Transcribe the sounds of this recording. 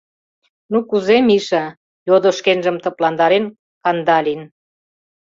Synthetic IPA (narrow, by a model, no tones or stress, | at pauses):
nukuzemiʃə | jod̪oʃkenʒə̆mt̪ə̆plɑnd̪ɑɾen | kɑnd̪ɑlʲin